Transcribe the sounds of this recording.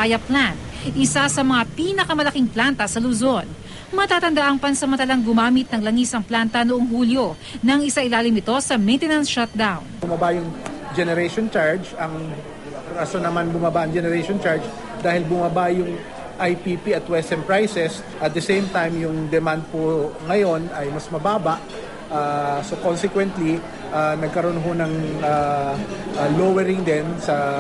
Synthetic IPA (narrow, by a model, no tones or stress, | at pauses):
ajɐplan | ʔɪsasɐmɐŋapiːnɐkɐmɐlɐkiŋplant̪ɐsɐlʊzo̞n | mɐt̪aːt̪ɐnd̪ɐʔaŋpɐnsɐmɐnt̪ɐlaŋɡʊmaːmɪt̪̚nɐŋlɐŋisɐŋplant̪ɐnoʔo̞ŋɦuːljo̞ | nɐŋɪsaʔɪlaːlɪmɪt̪o̞sɐmejnt̪ɛnɐnsʃat̪̚d̪awnʊmabajʊŋd͡ʒɛnɛɾɛʃont͡ʃaɹd͡ʒɐŋ | ɾasonɐmanbʊmabaʔɐŋd͡ʒɛnɛɾeʃont͡ʃaɹd͡ʒ | d̪aːhɪlbʊmabajʊŋ | ʔajpiːpiɐt̪wɛsɛmpɹajsɛs | ʔɐt̪̚d̪ɐsejmt̪ajmjʊŋd̪ɛmand̪̚poŋɐjo̞nɐjmɐsmɐbaːbɐʔ | ʔaso̞konsɛkwɛnt̪li | ʔanɐɡ̚kɐɾo̞nɦonɐŋa | ʔlowɛɾɪŋd̪ɛnsɐ